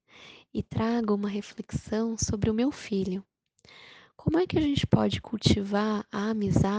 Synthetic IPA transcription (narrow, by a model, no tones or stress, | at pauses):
ɪt̪ɾaɡʊũmɐɦefleksɐ̃w̃sobɾɪʊmewfiʎʊ | kõmʊɛkɪɐʒẽnt͡ʃɪ̥pɔd͡ʒɪkʰuwt͡ʃivaɾɐamiza